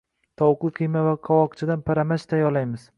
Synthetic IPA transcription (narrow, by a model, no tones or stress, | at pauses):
t̪ʰɒwqˠɨqʰɨjmavaqʰɒwɒqt͡ʃʰɪd̪anpʰaɾamat͡ʃt̪ʰajɒlajmɪz̥